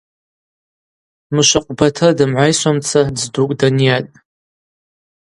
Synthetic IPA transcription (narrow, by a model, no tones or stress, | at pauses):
mɨʃʷaqʷʼbatʰɨdɨmʕʷajʃʷamt͡sʰadzdukʼdanjatʼ